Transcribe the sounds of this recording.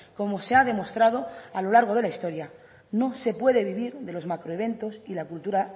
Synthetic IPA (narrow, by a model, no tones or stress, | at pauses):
ko̞mo̞se̞aðe̞mo̞st̪ɾað̞o̞alo̞laɾɣo̞ð̞e̞laist̪o̞ɾja | no̞se̞pwe̞ðe̞β̞iβiɾðe̞lo̞zmakɾoeβ̞e̞nt̪o̞silakult̪uɾa